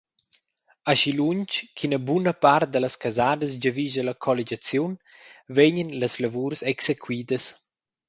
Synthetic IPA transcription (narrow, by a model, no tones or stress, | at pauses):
aʃiluɲt͡ʃkʰinəbunəpaɾrt̪̚d̪ələskazaːd̪əs̬ɟəviʒəlɐkʰɔled͡ʒat͡sjun | vɛɲənləslavuɾsɛksekʰwid̪əs